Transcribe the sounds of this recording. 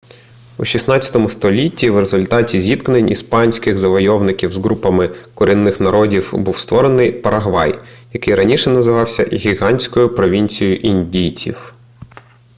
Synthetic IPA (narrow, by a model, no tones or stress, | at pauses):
uʃʲisnɑt͡sʲːɐt̪ɔmʊst̪ɔlʲitʲːiwre̞zʊlʲt̪ɑtʲizʲit̪knenʲḭspɑnʲsʲkɪɣzɐʋɔjɔʋnɪkʲiwzɦɾupɐmɪkʊɾinːɪxnɐɾɔdʲiwbuwst̪ʋɔɾenɪjpɐɾɐɦʋɑ̰jjɐkɪjɾɐnʲiʃɛnɐzɪʋɑwsʲɐ̰ɣʲiɦɑnʲsʲkɔjʊpɾɔʋʲinʲt͡sʲijjʊʔinʲdʲijt͡sʲḭw